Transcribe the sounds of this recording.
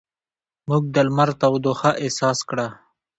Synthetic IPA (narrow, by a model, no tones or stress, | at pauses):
muɡ̚d̪əlmaɾt̪awd̪oxaʔesɑskɽa